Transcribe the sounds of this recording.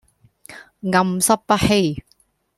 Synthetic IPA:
ŋɐ˨˧msɐ˥p̚pɐ˥ʔ̚he˧˥j

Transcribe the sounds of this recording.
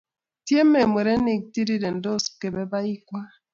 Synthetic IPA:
tje˦me˨mwe˨ɾɛ˦ni˨k̚ti˦di˦dɛ˨n˨do˦ske˨bɛ˦ba˦i˦kwa˦

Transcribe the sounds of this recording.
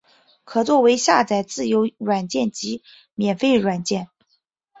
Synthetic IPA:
kʰɤ˨˩t͡swɔ˥˩we˧˥ɪɕja˥˧t͡sa˥˩ɪt͡sɹ̩˥˩jo˧˥ʊɻwa˨˩nt͡ɕjɛ˥˩nt͡ɕi˧˥ | mjɛ˨˩nfe˥˧ɪɻwa˨˩nt͡ɕjɛ˥˩n

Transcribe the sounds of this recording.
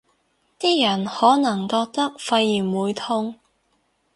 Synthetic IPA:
t̪iː˥jɐ˨˩nhɔː˨˥nɐ˨˩ŋkɔː˧k̚t̪ɐ˥k̚fɐ˧jiː˨˩nwuː˨˧jt̪ʰʊ˥ŋ

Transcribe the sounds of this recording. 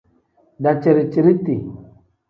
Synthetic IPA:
da˨t͡ʃi˨ɾi˨t͡ʃi˨ɾi˦ti˨

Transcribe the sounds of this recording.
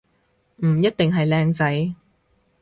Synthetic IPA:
m̩˨˩jɐ˥t̚t̪ɪ˨ŋɦɐ˨jlɛː˧ŋt͡sɐ˨˥j

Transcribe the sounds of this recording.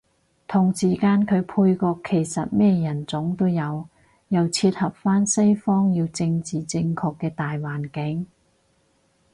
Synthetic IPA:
t̪ʰʊ˨˩ŋsiː˨˩kaː˧nkʰɵ˨˧ɥpʰuː˧jkɔː˧kʰːe˨˩jsɐ˨t̚mɛː˥jɐ˨˩nt͡sʊ˨˥ŋt̪o˥wjɐ˨˧w | jɐ˨˩wt͡sʰiː˧t̚hɐ˨p̚faː˥nsɐ˥jfɔː˥ŋji˧wt͡sɪ˧ŋt͡siː˨t͡sɪ˧ŋkʰɔː˧kːɛː˧t̪aː˨jwaː˨˩nkɪ˨˥ŋ

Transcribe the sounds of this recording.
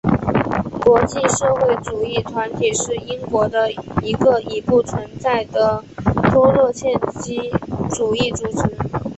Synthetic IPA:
kwɔ˧˥t͡ɕi˥˧ʂɤ˥˧xwe˥˩ɪʈ͡ʂu˨˩i˥˩t̪ʰwa˧˥nt̪ʰi˨˩ʂɻ̩˥˩i˥ŋkwɔ˧˥d̪ə˧i˧˥ɡə˧i˨˩pu˥˩t͡sʰwə˧˥nt͡sa˥˩ɪd̪ə˩t̪ʰwɔ˥lɤ˥˧ɕjɛ˥˩nt͡ɕi˥ʈ͡ʂu˨˩i˥˩ʈ͡ʂu˨˩t͡s̩ʰ˧˥n

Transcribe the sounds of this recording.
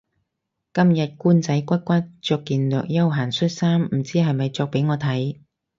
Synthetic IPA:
kɐ˥mjɐ˨t̚kuː˥nt͡sɐ˨˥jkʷɐ˥t̚kʷa˥t͡ʃœː˧kːiː˨nlœː˨k̚jɐ˥wɦaː˨˩nsɵ˥t̚saː˥mm̩˨˩t͡siː˥ɦɐ˨jmɐ˨jt͡sɔː˧k̚pe˨˥jŋɔː˨˧t̪ʰɐ˨˥j

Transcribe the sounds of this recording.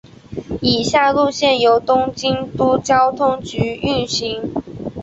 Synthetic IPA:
i˨˩ɕja˥˧lu˥˧ɕjɛ˥˩njo˧˥ʊt̪ʊ˥ŋt͡ɕi˥ŋt̪u˥t͡ɕjɑ˥ʊt̪ʰʊ˥ŋt͡ɕy˧˥˦y˥˩nɕi˨˥˦ŋ

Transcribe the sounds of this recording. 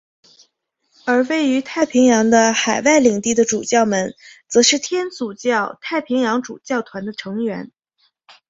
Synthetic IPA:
ə˞˧˥we˥˩ɪy˧˥t̪ʰa˥˩ɪpʰi˧˥ŋjɑ˧˥ŋd̪ə˧xa˨˩ɪwa˥˩ɪli˨˩ŋt̪i˥˩d̪ə˩ʈ͡ʂu˨˩t͡ɕjɑ˥˩ʊmə˨˩nt͡sɤ˧˥ʂɻ̩˥˩t̪ʰjɛ˥nt͡su˨˩t͡ɕjɑ˥˩ʊt̪ʰa˥˩ɪpʰi˧˥ŋjɑ˧˥ŋʈ͡ʂṵ˨˩t͡ɕjɑ˥˩ʊt̪ʰwa˧˥nd̪ə˧ʈ͡ʂʰɤ˧˥ŋɥɛ˧˥n

